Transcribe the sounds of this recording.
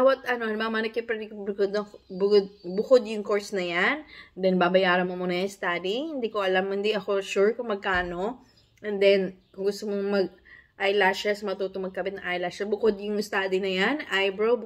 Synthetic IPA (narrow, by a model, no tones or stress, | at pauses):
bawɐt̪̚ɐno̞nmɐɐmɐnɐkɪpɐɾnɪkublɪkod̪ɐbʊkod̪̚bʊkod̪jʊŋko̞ɹsnɐjand̪ɛnbabɐjaːɾɐnmomunɐjɐst̪ad̪ihɪnd̪iːkoʔɐlamɪnd̪iʔɐko̞ʃuɹkʊŋmɐɡ̚kaːno̞ | ʔɛnd̪ɛn | ɡʊst̪omoŋmɐɡ̚ | ʔajlaʃɐsɐmɐt̪uːt̪oŋmɐɡ̚kɐbɪt̪̚nɐŋʔajlaʃɐbʊkod̪jʊŋɪst̪aːd̪inɐjanʔajbɹow